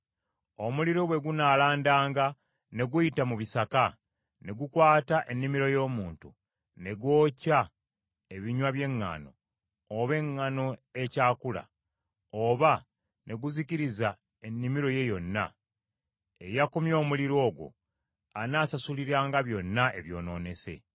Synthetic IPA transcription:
o̞muliɾoβwe̞ɡunaːlaːndaːŋɡa | ne̞ɡujitamuβisaka | ne̞ɡukwaːtaʔe̞nːimiɾo̞jo̞ːmuːntu | ne̞ɡwo̞ːca | e̞βiɲwaβje̞ŋːa̰no̞̰ː | βe̞ŋːano̞e̞caːkula̰ | oβa | nʔe̞ɡuziciɾiza | e̞nːimiɾo̞je̞jo̞nːa̰ | e̞̰jakumjo̞ːmuliɾo̞ːɡwo̞̰ | anaːsasuliɾaːŋɡaβjo̞nːae̞βjo̞̰ːno̞̰ːne̞se̞̰

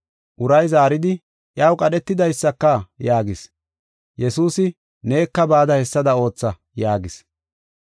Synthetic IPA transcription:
ʔʊɾɐjzaːɾɪd̪ɪ | ʔjɐwkʼɐɗɛt̪ːɪd̪ɐjsːɐkːɐjaːɡɪs | jɛsuːsɪ | ne̞ːkːɐbaːd̪ɐhɛsːɐd̪ɐo̞ːt͡sːɐ | jaːɡɪs

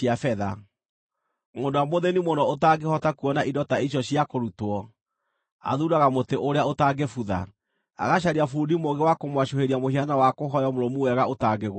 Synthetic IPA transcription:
iafɛða | moːndowamoðenimonɔotaɡehɔtakuɔnaʔidɔtaiɕ̬jɔɕjakoɾutwɔ | a̰ðuɾaɣamoteʔoɾeaotaɡefuða̰ | a̰ɣaɕ̬aɾiafudimoŋɡewakomwaɕoheɾiamoɦianawakoɦɔjɔmoɾomuwɛɣaotaːɡeɣw

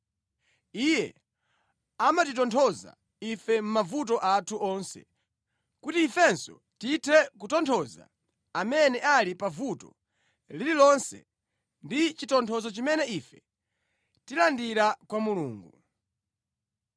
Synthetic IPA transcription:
ijɛ̰ | amatit̬ɔntʰɔza̰ | ifɛm̩mavut̬ɔʔatʰuɔnsɛ̰ | kutiːfɛnsɔ̰ | titʰɛkutɔntʰɔza̰ | amɛnɛʔalipavutɔ̰ | lililɔnsɛ̰ | ndit͡ʃitɔntʰɔzɔt͡ʃimɛnɛifɛ | tilandiɾakwamuluːŋɡu

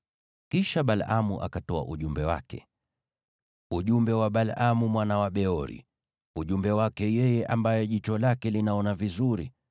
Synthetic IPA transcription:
kiʃaɓalʔamuʔa̰katɔa̰ʔuʄumbɛwa̰kɛ̰ | uʄumbɛwaɓalamumwanawaɓɛɔɾḭ | uʄumbɛwakɛjɛjɛʔambajɛʄit͡ʃɔlakɛlinaɔnavizuɾḭ

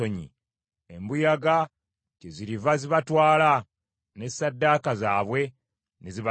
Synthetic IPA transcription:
oɲḭ | embujaɡa | ceziɾivaziβatwaːla | ne̞sadːaːkazaːβwe̞ | neziβ

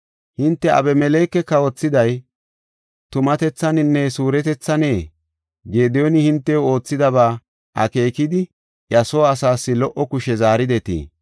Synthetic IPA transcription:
hɪnt̪ːɛɐ̰bɛmɛleːkːɛkːɐwɔt͡sːɪd̪ɐj | t̪ʊmɐt̪ɛt͡sːɐnɪnːɛsuːɾɛt̪ɛt͡sːɐneː | ɡeːd̪ɛjonɪhɪnt̪ːɛoo̞ːt͡sːɪd̪ɐβaː | ʔɐ̰ke̞ːkɪd̪ɪ | ʔjɐsoɐsaːsːɪlɔʔɔkʊʃɛzaːɾɪd̪ɛt̪ḭː

